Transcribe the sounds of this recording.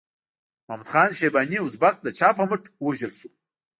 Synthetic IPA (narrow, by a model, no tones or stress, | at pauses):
mamud̪̥χɑːnʃebɑniʊzbak̚d̪ət͡ʃɑpəməʈwaʒəlsu